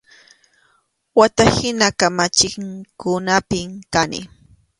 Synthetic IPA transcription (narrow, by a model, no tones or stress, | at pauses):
wat̪ahɪnakamat͡ʃɪŋkʊnapɪmkanɪ̰